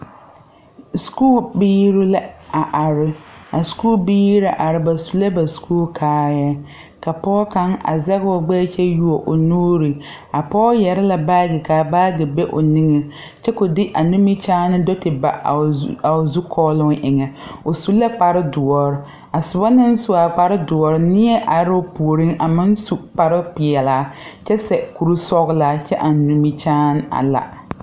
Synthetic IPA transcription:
skuː˦lbiː˦ɾu˦la˦a˨ʔa˨ɾɪ˦a˨skuː˦lbiː˦ɾa˨˦ʔa˨ɾɪ˨ba˨su˨la˦ba˨skʰuː˦lkʰaː˨˦jɛ˦ | ka˨pɔː˦ka˦ŋa̰˨za˦ɣwɔ˨ɡ͡bɛː˦t͡ʃɛ˦ju˦o˨ʔʊ˨nuː˦ɾi˨ | a˨pɔː˦jɛ˨ɾa˦la˨baː˦ɡɪ˨kaː˨baː˦ɡɪ˨be˦ʔʊ̰˨nɪ˦ŋɛ˨ | t͡ʃɛ˦kʊ˨dɪ˦ʔa˨nu˦mi˦t͡ʃaː˦nɪ˦dɔ˦tɪ˨ba̰˨a˨zu˦kʰɔː˦lʊ˦ŋʔɪ˨ŋɛ˨o˨su˦la˦k͡pa˨ɾɪ˦dʊ˨ɔ˨ɾɪ˦ | a˨sʊ˨ba˦nɪ˦n˦sʊ˨a˨k͡pa˨ɾɪ˦dʊ˨ɔ˨ɾɪ˦nɪ˦ɛ˦ʔa˨ɾɪ˦o˦pu˨o˨ɾi˦ŋa˨mɪ˦n˦su˨k͡pa˨ɾɪ˦pɪ˨ɛ˨laː˨˦t͡ʃɛ˦sɛ˨ku˨ɾu˦sɔ˦ɣʊ˦laː˨˦t͡ʃɛ˦ʔa˨nu˨mi˦t͡ʃaː˦n˦a̰˨la̰˨

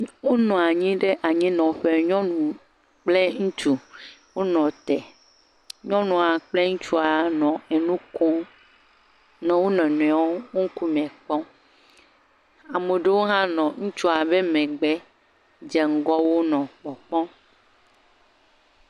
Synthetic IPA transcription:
wo˦nɔ̃˨a˨ɲĩ˦ɖe˦ʔa˨ɲĩ˦nɔ̃˨ɸe˦ɲɔ̃˦nũ˨ | k͡ple˦ŋũ˦t͡ʃu˨wo˦nɔ̃˨t̪ɛ˨ | ɲɔ̃˦nũ˨a˨k͡ple˦ŋũ˦t͡ʃu˦a˨nɔ̃˨e˨nũ˦ko˦ | nẽ˨wo˦nɛ̃˨nɔ̃˨a˨wo˦wo˦ŋ̩˦ku˦mɛ̃˨k͡pɔ˦ | a˨me˨ɖe˦wo˦ɦã˦nɔ̃˨ŋũ˦t͡ʃu˦a˨be˦mɛ̃˨ɡ͡bɛ˦ | d͡ʒɛ˨ŋ̩˦ɡɔ˦wo˦nɔ̃˨k͡pɔ˨k͡pɔ̃˦

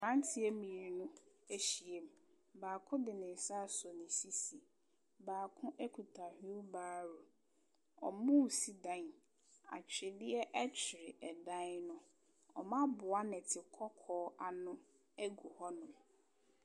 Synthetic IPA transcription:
ã˦n˦tʰɪ˦e˦mĩ˨ɾi˨nʊ̃˦ | e˦ɕi˨e˦m̩˨ | baː˨kʰʊ̃˦dɪ˨nɪ̃˨n˨sa˦˨sɔ˨nɪ̃˨si˦si˨ | baː˨kʰʊ̃˦ʔɛ˦kʰu˨tʰa˨hi˦baː˦ɾo˨ | ɔ̰˨mũ˦˨si˨dã˦n˨ | a̰˨t͡ɕʰᶣɾɪ˨dɪ˦ɛ˦ʔɛ˦t͡ɕʰɪ˨ɾɪ˨ʔɛ˨dã˦nʊ̃˦ | ɔ̰˨mã˦bʊ˨a˦nɛ̃˨tʰɪ˨kʰɔ˦kʰɔː˦a˨nʊ̃˦ | ɛ˦ɡu˨hɔ˦nʊ̃˨m˨

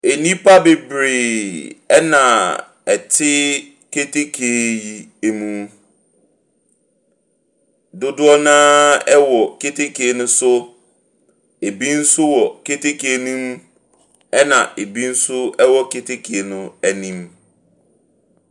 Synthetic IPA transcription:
e˨nĩ˦pʰa˦be˨bɾe˨ɛ˦nã˨ | ɛ˨tʰɪ˦ | kʰe˦tʰe˦kʰe˨˦ji˦e˦mũ˦ | dʊ˦dʊ˦ɔ˦nãː˦ɛ˦wɔ˨ke˦tʰe˦kʰe˨e˨nʊ̃˦sʊ˦ | e˨bi˦n̩˦sʊ˦wɔ˨ke˦tʰe˦kʰe˨e˦˨nũ˦m | ɛ˦nã˨e˨bi˦n̩˦sʊ˦ɛ˦wɔ˦kʰe˦tʰe˦kʰe˨e˨nʊ̃˦æ˨nĩ˦m

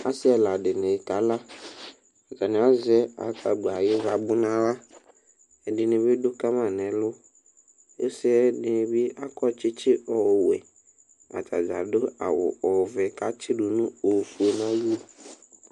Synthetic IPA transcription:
a˦sɪ˦ɛ˨la˨ɖɪ˨nẽ˨ka˨la˦ | a˨d͡ʒa˨nẽ˨˦a˦zɛ˦a̰˨ka˨ɡ͡ba˨je˦va˨bʊ˦nã˦wa˦ | ɛ˨dɪ˨nẽ˨bi˦ɖʊ˦ka˦mã˨nɛ̃˨lʊ˦ | e˦sɛ˦ɛ˦dɪ˨nɪ̃˨bi˦ʔa˦kɔ˦t͡ʃɪ˦t͡ʃɪ˦ʔɔ˨wɛ̰˨ | a̰˨ta̰˨d͡ʒa̰˨dʊ˦a̰˨wʊ̰˨ɔ˨vɛ˨ka˦t͡ʃɪ˦ɖu˨nũ˦o˨fu˨e˨nã˦ju˦o˨

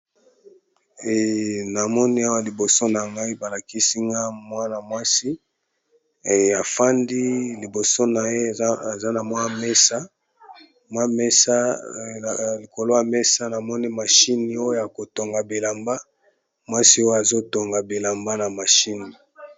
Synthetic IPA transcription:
na˨mɔ˦ni˦a˦wa˦li˨bo˨so˦na˨ŋɡa˦i˦ba˨la˨ki˦si˦ŋɡa˦mwa˦na˨mwa˦si˦˨ | a˨fa˦ndi˦li˨bo˨so˦na˨je˦˨˦za˦na˨mwa˦me˦sa˦ | mwa˦me˦sa˦˨ | li˨ko˨lo˦ja˨me˦sa˦na˨mɔ˦ni˦ma˨ʃi˦ni˨o˦jo˦ja˨ko˨to˨ŋɡa˨bi˨la˨mba˦ | mwa˦si˦o˦a˨zo˦to˨ŋɡa˨bi˨la˨mba˦na˨ma˨ʃi˦ni˨

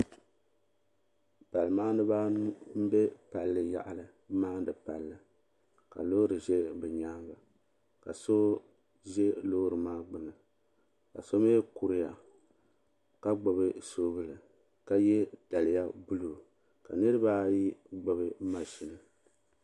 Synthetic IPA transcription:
pa˨lɨ˨maː˦nɨ˦ba˦n˦m̩˦be˦pa˨lːɨ˨ja̰˨ʔa˨lɨ˨ | maː˦dɨ˨pa˨lːɨ˨ | ka̰˨lo˦ɾɨ˨ʒɛ˦bɛ˨ɲa˦ŋɡa˨ | ka˨so˦ | ʒɛ˦loː˦ɾɨ˨maː˦ɡ͡bɨ˨nɨ˨ | ka˨so˦me˦ku˨ɾɪ˦ja˨ | ka˦ɡ͡bo˨bɨ˦so˦bɨ˦lɨ˨ | ka˦jɛ˦d̥a˨lɨ˨˦ja˦bu˦lu˨ | ka̰˨nɨ˦ɾɨ˦baː˦ji˦ɡ͡bo˨βɨ˦ma˨ʃi˨nɨ˨

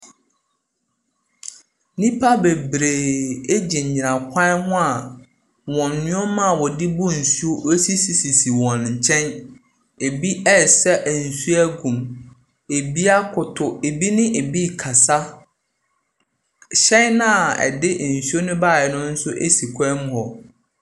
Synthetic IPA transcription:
nĩ˦pʰa˦be˨bɾeː˨e˦d͡ʑi˨ɲ̩˨ɲĩ˨nã˨kʰa˦hʊ̃˦a˨ | wɔ̃˨nːʊ̃˦ɔ˦mã˦˨wɔ˨dɪ˦bʊ˦˨n̩˨su˦o˦e˦si˦si˨si˨si˨wɔ̃˨nɲ̩˨t͡ɕʰɛ̃˦n | e˨bi˦ʔɛ˦˨sɛ˦ʔæ˨n̩˨su˦æ˦ɡũ˨m | e˨bi˦a˦kʰʊ˨tʰʊ˨e˨bi˦nɪ̃˦ʔe˨bi˦kʰa˨sa˦ | ɕɛ̃˦nã˦˨ɛ̰˨dɪ˦ʔn̩˨su˦o˦nʊ̃˦baː˦˨ɛ˨nʊ̃˦n̩˦sʊ˦ʔe˦si˨kʷʰɛ˦mʊ̃˦hɔ˨

